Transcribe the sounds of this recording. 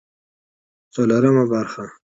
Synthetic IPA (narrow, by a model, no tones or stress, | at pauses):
t͡solaɾəmabaɾxa